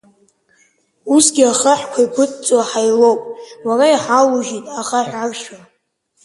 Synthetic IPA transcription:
usɡʲiaχaħkʷʰaipʷʰɨtʼt͡sʼwaħajlo̞wpʼwaɾaiħaluʒitʼaχaħʷᶣarʃa

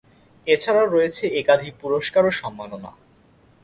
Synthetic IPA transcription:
et͡ɕʰaɾaoɾoet͡ɕʰeekad̪ʱik̚puɾoʃkaɾoʃɔmːanona̰

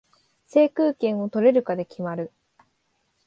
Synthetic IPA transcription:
se̞ːkɯ̟ːkẽ̞ɰ̃o̞t̪o̞ɾe̞ɾɯ̟kad̪e̞kʲimaɾɯ̟

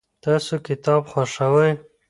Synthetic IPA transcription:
t̪ɑsokɪt̪ɑbxwaʂawaj

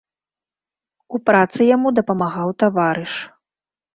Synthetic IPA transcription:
upɾat̪sɨjamud̪ɐpɐmaɣawt̪avaɾɨʂ

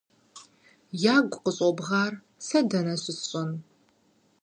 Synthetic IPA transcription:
jaːɡʷʼqəɕʼɔbʁɑːr | sɐdɐnɐɕʷɪɕʼɐn

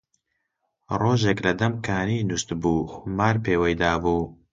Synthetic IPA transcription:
roːʒeklɐd̪ɐmkʰaːniːnust̪buːxʊmaːɾpʰeːwɐjd̪aːbuː

